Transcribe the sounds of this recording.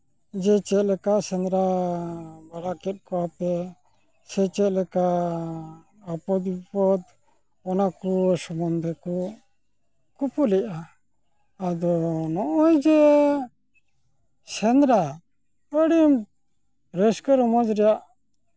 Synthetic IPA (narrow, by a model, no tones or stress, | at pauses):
d͡ʒɛt͡ʃɛt̪̚lɛkasɛnd̪ɾa | baɽakɛt̪̚ˀkɔwapɛ | sɛt͡ʃɛt̪lɛka | ɔpɔd̪bipɔd̪ | ɔnakusɔmɔnd̪ʱɛkɔ | kupulɛʔaː | d̪ɔnɔʔɔjd͡ʒɛ | sɛnɾa | əɽim | ɾɛskəɾɔmɔd͡ʒɾɛjaʔ